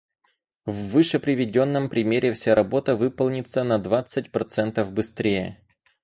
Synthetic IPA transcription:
vːɨʂɨpɾʲɪvʲɪdʲo̞nːəmpɾʲɪmʲeɾʲɪfsʲaɾɐbo̞t̪əvɨpəlˠnʲɪt̪sənɐd̪vat̪sɨtʲpɾɐt̪sɛnt̪əvbɨst̪ɾʲejə̰

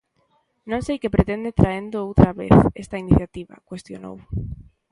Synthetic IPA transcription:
nõŋsejkepɾet̪end̪et̪ɾaend̪oowt̪ɾaβḛθest̪ainiθjat̪iβa̰kwest̪jono̰w

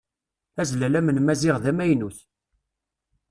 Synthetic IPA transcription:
æzlælæmənmæzɪʁðæmæjnuθ

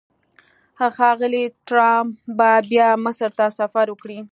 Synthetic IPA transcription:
axɑɣəliʈɾɑmbabjɑməsəɾt̪asafaɾwəkɽi

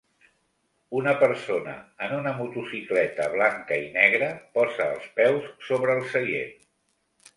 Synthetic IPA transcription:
unəpəɾsonə̰ːnunəmut̪usiklɛt̪əβlaŋkəinɛɣ̞ɾəpɔzəːlˠspɛwssːoβɾəːlˠsəʎḛn

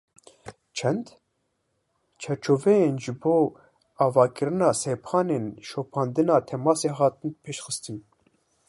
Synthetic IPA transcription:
t͡ʃʰɛnd̪ | t͡ʃʰɛɾt͡ʃʰoːvɛjeːnʒɨboː | ɑːvɑːkɨɾɨnɑːsepʰɑːneːnʃoːpʰɑːnd̪ɨnɑːt̪ʰɛmɑːseːɦɑːt̪ɨnpʰeʃxɨst̪ɨn

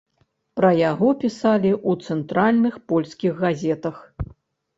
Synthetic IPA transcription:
pɾɐjaɣɔpʲisalʲiʔut̪sɛnt̪ɾalʲnɨxpɔlʲskʲiɣːazʲɛt̪ɐx

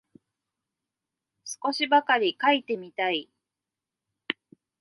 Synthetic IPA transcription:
sɨ̥ko̞ɕibakaɾʲikait̪e̞mʲit̪ai

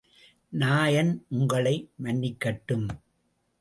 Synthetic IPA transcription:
naːjɐnʔʊŋɡɐɭɐɪmɐnːɪkːɐʈːɯm

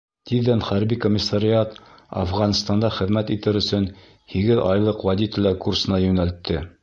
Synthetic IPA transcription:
t̪iðːænχæɾbikomʲːisːaɾʲiɑt̪ɑ̰fʁɑnɤ̆st̪ɑnd̪ɑχɘ̆ðmæt̪it̪ɘɾɵ̆sɵn | hiɡɘðɑjlˠɤqwæd̪ʲit̪olʲɑkursɤ̆nɑjɵ̆nælt̪ʰːɘ

